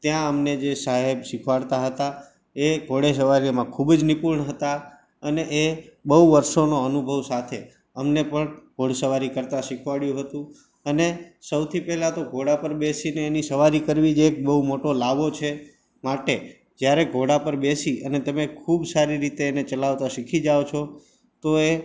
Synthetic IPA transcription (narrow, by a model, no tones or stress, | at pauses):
t̪jãəmned͡ʒesaɦebʃikʰʋaɽt̪aɦət̪a | eɡʱoɽes̬əʋaɾimãkʰubd͡ʒnipuɾɳəɦət̪a | əneʔebəuʋəɾʃonoənubʱəʋsat̪ʰe | əmnepəɳɡʱoɽsəʋaɾikəɾt̪ãʃikʰʋaɽjũɦət̪ũ | ənesəwt̪ʰipɛɦlat̪oɡʱoɽapəɾbesineːnisəʋaɾikəɾʋid͡ʒeek̚bəɦumoʈolaʋot͡ʃʰe | maʈe | d͡ʒjaɾeɡʱoɽapəɾbesiənet̪əmekʰubsaɾiɾit̪eːnet͡ʃəlaʋt̪aʃikʰid͡ʒaot͡ʃʰo | t̪oe